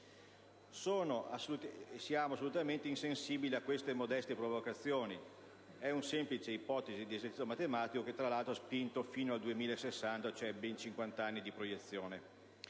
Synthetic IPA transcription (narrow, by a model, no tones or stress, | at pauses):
soːnoasut̪sjaːmoasːolut̪ament̪einsensiːbiliakːwest̪emod̪ɛst̪epɾovokat̪sːjoːni | ɛunsemplit͡ʃeipɔt̪ezid̪iezeɾt͡ʃiomat̪emaːt̪ikoket̪ːɾalalt̪ɾoaspint̪ofiːnoald̪uemiːlaesːesːant̪at͡ʃoɛbɛnt͡ʃiŋkwant̪anːid̪ipɾojet̪sːjoːne